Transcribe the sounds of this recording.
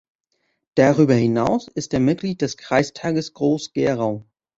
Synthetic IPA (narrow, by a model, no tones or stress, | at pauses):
d̥aʁyːbɐhɪnaʊsɪsteːɐmɪt̚ɡ̥liːt̚d̥ɛskʁ̥aɪstʰaːɡəsɡ̥ʁoːsɡ̥eːʁaʊ